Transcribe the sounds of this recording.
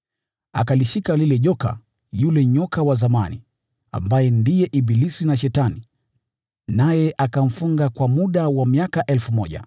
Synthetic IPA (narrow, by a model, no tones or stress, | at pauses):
a̰kaliʃikalilɛʄɔka̰ | julɛɲɔkawazamanḭ | a̰mbajɛndijɛʔibilisinaʃ̬ɛtani | najɛʔakam̩fuŋɡakwamuɗawamiakaʔɛlfumɔʄa̰